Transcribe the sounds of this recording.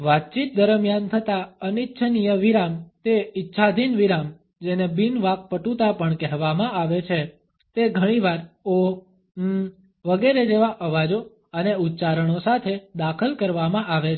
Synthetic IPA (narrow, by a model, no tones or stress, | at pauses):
ʋat̪̚t͡ʃit̪̚d̪əɾmjant̪ʰət̪aənit̪ːʃʰənijəʋiɾamt̪eitːʃʰad̪ʱinʋiɾam | d͡ʒenebinʋak̚pəʈut̪apəɳkɛɦʋamãaʋet͡ʃʰe | t̪eɡʱəɽ̃iʋaɾo | ʋəɡeɾed͡ʒeʋaʔəʋad͡ʒo | əneut̪ːt͡ʃaɾəɳ̃osat̪ʰed̪akʰəlkəɾʋamãʔaʋet͡ʃʰ